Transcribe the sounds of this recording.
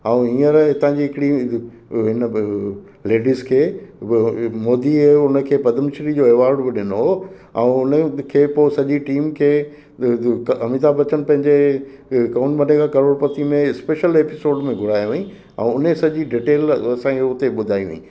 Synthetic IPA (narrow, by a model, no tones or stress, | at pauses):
ɛũɦiːəɾt̪ɐɦãɲd͡ʑiɦɪkɪɽi | ɦɪnə | leːɖiːzkʰeː | moːd̪iʊnəkʰeːpɐd̪ʱəmʃɪɾid͡ʑoːeːʋaːɾɖbɪɗɪnoɦo | ɛ̰̃ũʊnəkʰeːpoːsɐʄiʈiːmkʰeː | ɐmit̪̬aːbɐt͡ɕənɪ̆pɐ̃ɦɪ̃ɲd͡ʑe | kɐːʊɳʈbɐnekʰakɐɾoːɽpɐt̪imẽspeːʃəleːpɪsoːɖmẽɡʱʊɾaːjiʋeĩ | ɛ̰̃ũʊnesɐʄiɖiːʈeːlɐsãkeʊɦt̪eɓʊd̪ʱaːiʋḛ̃ḭ̃